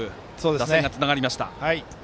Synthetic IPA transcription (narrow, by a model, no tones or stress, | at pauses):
ɯ̟ | soːd̪ed̪aseŋɡat͡sɨnaɡaɾʲimaɕi̥t̪a̰hai